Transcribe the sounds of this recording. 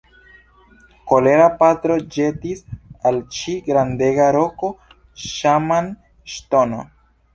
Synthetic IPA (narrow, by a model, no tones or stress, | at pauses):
ko̞le̞ɾapatɾo̞d͡ʒe̞tisalt͡ʃiɡɾande̞ɡaɾo̞ko̞ | ʃaman | ʃto̞no̰